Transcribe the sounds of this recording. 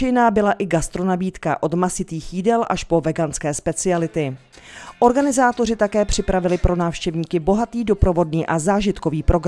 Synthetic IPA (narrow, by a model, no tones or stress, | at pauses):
ɛjnaːbɪlaʔɪɡast̪ɾo̞nabiːt̪ka̰ʔo̞d̪masɪt̪iːxjidɛlʔaʃpo̞vɛɡanskɛːspɛt͡sɪalɪt̪ɪ | ʔo̞ɾɡanɪzaːt̪o̞rɪt̪akɛːpr̝̥ɪpɾavɪlɪpɾo̞naːfʃcɛvɲiːkɪbo̞ɦat̪iːdo̞pɾo̞vo̞dniːʔazaːʒɪt̪ko̞viːpɾo̞ɡɾ